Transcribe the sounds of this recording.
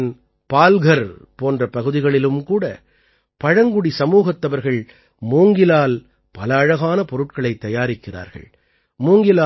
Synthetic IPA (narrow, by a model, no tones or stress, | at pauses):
n | paːlɣɐɾpoːndrɐpɐɣɯðɪɣɐɭɪlɯmkuːɽɐ̰ | pɐɻɐŋɡʊɽisɐmuːɣɐt̪ːɐʋɐɾɣɐɭ | muːŋɡɪlaːl | pɐlɐːɻɐɣaːnɐpɔɾɯʈkɐɭɐɪt̪ːɐjaːɾɪkːɪra̰ːɾɣɐ̰ɭ | muːŋɡɪlaː